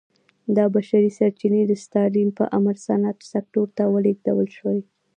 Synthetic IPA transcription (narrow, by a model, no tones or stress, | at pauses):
d̪ɑbaʃaɾisaɾt͡ʃined̪əst̪ɑlimpə̰ʔamaɾsanat̪sak̚ʈoɾt̪awəleɡdawəlʃəwaj